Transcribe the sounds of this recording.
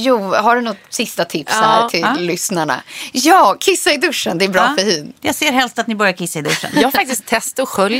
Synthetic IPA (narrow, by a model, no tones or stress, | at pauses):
juːhaɖɵnɔt̪sɪst̪at̪ʰɪpssɛɪllːʏsnaɳa̰jɑːkʰɪsːaɪd̪ɵʂːənd̪ɛːbɾɑːfœɾhiːnjaːɡseːɾɦɛlst̪at̪̚nɪbœɾjakʰɪsːaɪd̪ɵʂːə̰njɑːhaffak̚t̪ɪst̪ʰːɛst̪ɔɧœl